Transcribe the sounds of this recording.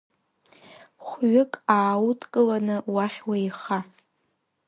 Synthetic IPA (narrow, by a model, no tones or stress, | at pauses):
χʷɥʊkʼaːwutʰkʼɨlanɨwaχʲwaiχa